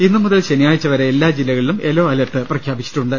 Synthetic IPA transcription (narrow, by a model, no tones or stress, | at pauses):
inːɨmuðɐlɕenijaːjit͡ɕːɐʋɐɾeelːaːd͡ʑilːɐɣɐɭilume̞lo̞ːɐlɐt̪ːɨprɐkʰjaːbit͡ɕːi̥ʈːuɳɖɨ